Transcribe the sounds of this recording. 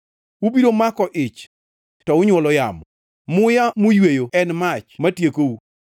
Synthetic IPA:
ubidomakɔʔɪt͡ʃ | tɔʊɲwɔlɔjamɔ | mʊjamʊjwejoɛnmat͡ʃmatjekou

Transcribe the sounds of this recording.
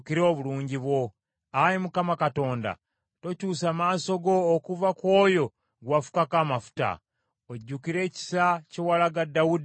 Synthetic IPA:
kiɾo̞ːβuluːɲɟiβwo̞ | ajimukamakato̞ːnda̰ | to̞cuːsaːmaːsoɡo̞ːkuvakwo̞ːjo̞ | ɡwafu̥kakaːmafu̥ta̰ | oɟːukiɾe̞ːci̥sacewalaɡadːawud

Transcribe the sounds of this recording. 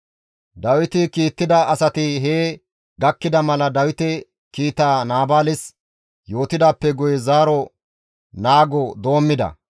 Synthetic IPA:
d̪ɐwɪt̪ɪkiːt̪ːɪd̪ɐɐsɐt̪ɪɦeː | ɡɐkːɪd̪ɐmɐlɐd̪ɐwɪt̪ɛ | kiːt̪aːnaːbaːlɪs | jo̞ːt̪ɪd̪aːpːɛɡʊjɛzaːɾɔ | naːɡɔd̪o̞ːmːɪd̪ɐ̰

